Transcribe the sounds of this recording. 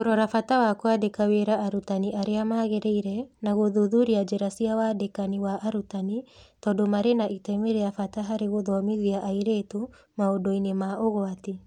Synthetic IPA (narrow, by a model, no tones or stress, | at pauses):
oɾɔɾafatawakwadekaweɾaʔːɾutaniʔaɾeamaɣeɾɛiɾɛnaɣoðuðuɾiad͡ʒɛɾasiawadekaniwaʔaɾutanitɔdomaɾenaʔitɛmeɾeafataɦaɾeɣoðɔmiziaʔaiɾeto | maodoinemaʔoɣoati